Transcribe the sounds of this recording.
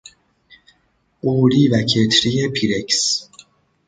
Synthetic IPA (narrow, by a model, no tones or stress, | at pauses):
ʔuːɾiːvæcʰet̪ʰɾijepʰiɾeks